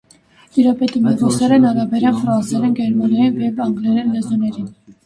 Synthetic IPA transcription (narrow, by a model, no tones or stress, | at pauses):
iɾɑpɛt̪imɛʁɔsɛɾɛnɑɾɑbɛɾɑnfɾɑnsɛɾɛnɡɛɾmɑnjɑjinvjɛvɑŋɡlɛɾɛnlɛzɔnɛɾin